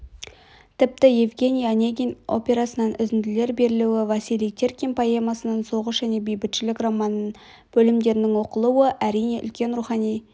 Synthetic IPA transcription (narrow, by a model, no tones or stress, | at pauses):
t̪ʰɪp̚t̪ɪjevɡʲe̞nʲijanʲeɡʲino̞̰pʲe̞ɾasənɑnʔʏzɪnd̪ɪle̞ɾbe̞ɾɪluwɪvɑsilijt̪ʰe̞rkʲinpʰaje̞mɑsənənso̞ʁəʃʒ̥æne̞bejbɪt̪ʃɪlɪkramɑnn | b̥ɵlɪmd̪e̞ɾɪnɪŋwo̞qəlˠuwəʔæɾijne̞ʔʏ̰lkʲe̞nɾuχɑnij